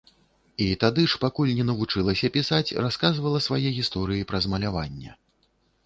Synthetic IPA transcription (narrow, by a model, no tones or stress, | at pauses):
it̪ad̪ɨʂpakulʲnʲɛnɐvut͡ʂɨlˠɐsʲɐpʲisat͡sʲraskazvɐlˠɐsvajɛɣʲist̪ɔɾɨjipɾɐzmɐlʲavanʲːɛ̰